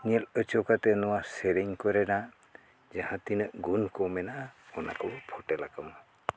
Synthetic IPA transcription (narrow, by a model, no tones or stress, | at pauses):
niɛlət͡ʃɔkat̪ɛnɔwaseɾiŋkɔɾɛna | d͡ʒahãt̪inəʔɡunkɔmɛnaɔna̰kɔbpʰɔʈɛlakamɔ